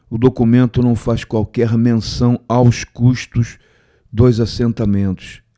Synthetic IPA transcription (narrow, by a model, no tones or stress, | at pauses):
ʊd̪okumẽnt̪ʊnɐ̃w̃faskwawkɛɾmẽsɐ̃w̃awskuʃt̪ʊʃ | d̪ojzasẽnt̪amẽnt̪ʊ̥s